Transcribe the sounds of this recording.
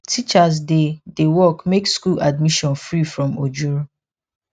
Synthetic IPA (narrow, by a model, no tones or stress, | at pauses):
tʰit͡ʃaz̬dedewɔkmekskulad̚miʃɔ̃nfɹifɹɔ̃mod͡ʒuɹo